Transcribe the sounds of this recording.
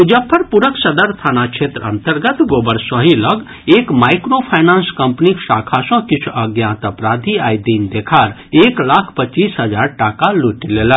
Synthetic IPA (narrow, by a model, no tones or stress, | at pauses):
ud͡ʒəpʰːəɾpuɾəksəd̪əɾt̪ʰaːnakʃʰet̪ɾəə̰̃nt̪əɾɡət̪ɡoːbəɾsɔɦiləɡ | eːkmaːjkɾopʰajnãːnskɐmpniksaːkʰasɔ̃kɪt͡ʃʰuəɡjãt̪əpɾaːd̪ʱiaːjd̪iːnd̪ekʰaɾeːklaːkʰpət͡ʃːiːsɦəd͡ʒaːɾʈakaluʈilelə